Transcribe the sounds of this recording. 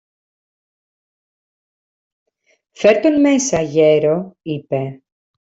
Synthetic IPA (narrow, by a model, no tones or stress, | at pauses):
fe̞ɾt̪o̞nme̞sɐʝe̞ɾo̞ipe̞